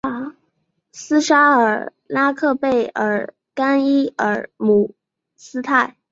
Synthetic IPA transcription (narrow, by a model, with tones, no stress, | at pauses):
a˧˥˦ | sɹ̩˥ʂa˥ə˞˨˩˥ | la˥kʰɤ˥˧pe˥˩ɪə˨˧˥ | ka˥ni˥ə˞˨˧˥mu˨˧˩ | sɹ̩˥t̪ʰa˥˩ɪ